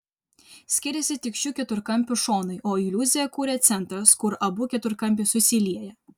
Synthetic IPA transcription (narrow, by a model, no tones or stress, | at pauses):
sʲkʲɪɾʲɛsʲɪt̪ʲɪkʃʲt͡ʃʲʊkʲɛt̪ʊɾkɐmʲpʲʊʃoːnɐɪʔoːilʲuːzʲɪjɛkuːɾʲɛt̪sʲɛnt̪ɾɐskʊɾɐbʊkʲɛt̪ʊɾkɐmʲp̬ʲʊsʊsʲilʲiɛjɛ